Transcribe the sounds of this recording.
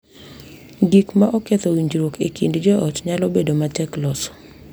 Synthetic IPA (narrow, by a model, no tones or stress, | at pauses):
ɡikmaʔɔket̪owiɲd͡ʒɾokʰḛkindd͡ʒɔʔɔtɲalɔbedomatɛklɔsɔ̥